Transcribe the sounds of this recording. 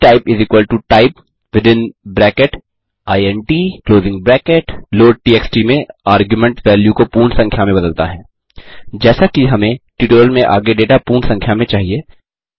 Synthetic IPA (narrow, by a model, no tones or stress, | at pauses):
ʈaːɪpɪziːkwəlʈuʈaːɪp | ʋɪd̪ɪnbɾɛːkeʈ | aːiɛːnʈiːkloːzɪ̃ŋɡ̚bɾɛːkeʈloːɖ̚ʈiːeːksʈimẽaːɾɡjʊmɛ̃ɳʈʋɛːljukopuːɾɳsɐ̃ŋkʰjamẽbɐd̪əlt̪aɦɛː | d͡ʒɛːsakiɦɐmẽʈuːʈoːlmẽʔa̰ːɡeɖeːʈapuːɾɳsɐ̃ŋkʰjamẽt͡ʃaːɦieː